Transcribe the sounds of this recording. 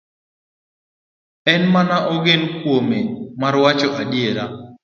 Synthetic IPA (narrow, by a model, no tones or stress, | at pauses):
ɛnmanaʔɔɡɪnkwomemaɾwat͡ʃɔʔadjeɾa